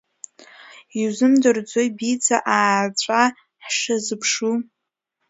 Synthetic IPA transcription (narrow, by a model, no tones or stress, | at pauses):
izɨmdɨrd͡zʷojbid͡zʰaʔaːt͡ɕʷʼa | ħʂazɨpʰʂu